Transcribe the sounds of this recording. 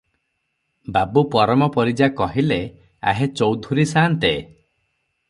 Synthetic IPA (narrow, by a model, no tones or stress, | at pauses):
babupɔɾɔmɔpɔɾid͡ʒakɔɦile | a̰ɦet͡ʃɔwd̪ʱuɾisaːnt̪e